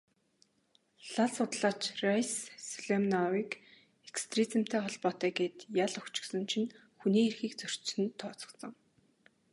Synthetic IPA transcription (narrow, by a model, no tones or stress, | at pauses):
ɮaɮsʊt̪ɮaːt͡ɕrajsːɮemnɔwiːk | ekst̪rit͡sɪ̆m̥t̪ʰæːχɔɮpɔːt̪æːɡeːt̪jaɮɵkt͡ɕɪ̆ksɞ̆nt͡ɕʰĭn | xuniːerxiːkt͡sɵr̥t͡ɕsɘ̆nt̪ʰːɔːt͡sɞ̥̆ksɞ̆ŋ